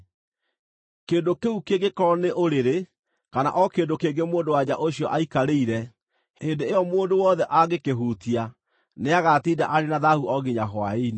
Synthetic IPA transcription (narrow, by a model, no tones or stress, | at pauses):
keːdokeukeɡekɔneʔoɾeɾe | kana̰ʔɔkeːdokeːɡemoːndowad͡ʑaʔoɕjɔʔaikaɾeiɾɛ | heːndeejɔmoːndowɔðɛʔaɣekeɦuːtia | neaɣatiːdaʔaɾenaðahuʔɔɣiɲaɦwaen